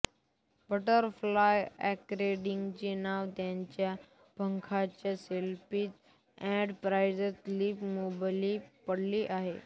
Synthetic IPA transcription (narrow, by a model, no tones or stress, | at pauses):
bəʈəɾflajɛkɾeɖiŋɡt͡ɕenaʋt̪jaɲt͡ɕja | bʱəŋkʰat͡ɕjaselpiːt̪ | ɛ̃ɖpɾajd͡ʑəsliːpmobalipəɽliːʔaɦe